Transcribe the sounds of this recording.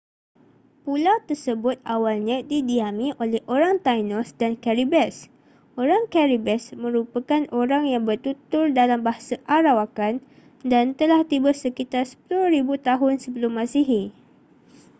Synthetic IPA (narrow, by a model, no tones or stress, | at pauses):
pulawt̪ərsəbʊt̪̚awalɲãdidiamĩʔolɛhʔoɾaŋt̪ajnɔsdankaɾibɛs | oɾaŋkaɾibɛsmə̃ɾupakanʔoɾaŋjaŋbərt̪ut̪ʊrdalambaɦasaʔaɾawakan | dant̪əlaht̪ibəsəkit̪arsə̥pulʊhɾibut̪aɦʊnsəbəlʊmːãsiɦi